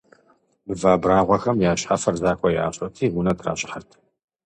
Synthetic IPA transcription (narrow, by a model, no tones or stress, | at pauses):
bɨvaːbraːʁʷɐxɐmjaːɕħafɐrzaːxʷʰʼɔjɛʔa̰ːɕʼɐtʰiːɡunɐtʰra̰ːɕʼɪħɐrtʰ